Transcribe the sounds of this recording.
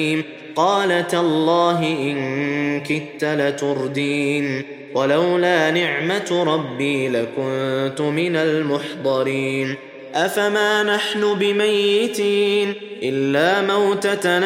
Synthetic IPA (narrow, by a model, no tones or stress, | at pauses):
m | qɑːlat̪alˤːɑːɦɪʔɪŋkʊnt̪alat̪ʊɾˤd̪iːn | walawlaːnɪʕmat̪ɾˤɑbːiːlakʊnt̪ʊmɪnalmʊħd̪ˤɑɾiːn | ʔafamaːnaħnʊbɪmajːɪt̪iːnʔɪlːaːmawt̪at̪a